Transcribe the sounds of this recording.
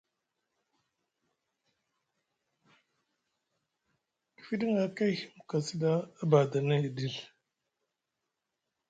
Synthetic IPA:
ki̥˨fi˦ɗi˦ŋa˨ka˦hi̥˦m˨ka˨si˦da˦a˦ba˨da˨na˦˨di˦˨l

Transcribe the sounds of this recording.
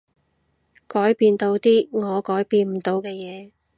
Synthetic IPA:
kɔː˨˥jpiː˧nt̪o˧wt̪iː˥ŋɔː˨˧kɔː˨˥jpiː˧nm̩˨˩t̪o˨˧wkɛː˧jɛː˨˧

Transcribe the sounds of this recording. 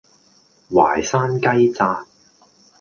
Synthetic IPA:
wa̰ː˨˩jsaː˥nkɐ˥jt͡saː˧t̚

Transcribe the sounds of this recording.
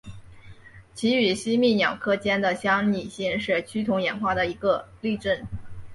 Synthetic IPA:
t͡ɕʰi˧˥y˨˩ɕi˥mi˥˩njɑ˨˩ʊkʰɤ˥t͡ɕjɛ˥nd̪ə˨ɕjɑ˥ŋni˨˩ɕi˥˧ŋʂɻ̩˥˩t͡ɕʰy˥t̪ʰʊ˧˥ŋjɛ˧˥nxwa˥˩d̪ə˩i˧˥ɡə˧ | li˥˧ʈ͡ʂə˥˩n

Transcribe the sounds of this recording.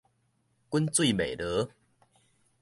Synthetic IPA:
ku˦nt͡swi˦˥˨mḛ̃˨˩˨lə˨˦

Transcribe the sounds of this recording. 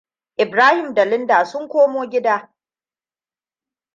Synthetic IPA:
ʔɪ˨bɾaː˦hɪ˨mdɐ˨lɪ˦ndaː˨sʊ˦ŋkʷoː˦moː˦ɡʲɪ˦daː˦

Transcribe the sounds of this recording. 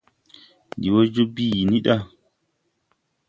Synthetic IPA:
ndi˨wo˦d͡ʒu˦bi˦˨ji˨ni˦ɗa˦

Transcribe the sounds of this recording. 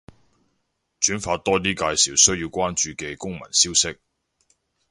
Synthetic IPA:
t͡ʃyː˨˥nfaː˧t̪ɔː˥t̪iː˥kaː˧jsiː˨˩wsɵ˥ɥji˧wkʷaː˥nt͡ʃyː˨˧kɛː˧kʊ˥ŋmɐ̰˨˩nsiː˥wsɪ˥k̚

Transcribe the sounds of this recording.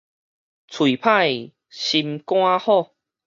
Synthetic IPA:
t͡sʰwi˨˩pʰa˥˨j | ɕi˧mkw̃ã˦hɔ˥˨

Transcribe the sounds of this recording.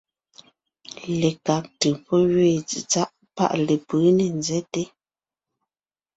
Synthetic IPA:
le˨ka˨˦k̚tɯ˨pɔ˦ɣɥe˦˨t͡sḭ˨t͡sa˦ʔ | pa̰˦˨ʔle˨pɨ˨˦ne˨nzɛ˦te˦

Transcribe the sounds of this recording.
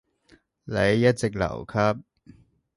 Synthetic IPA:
le˨˥jːɐ˦˥t̚t͡se˨k̚la̰˨˩wkʰa˦˥p̚

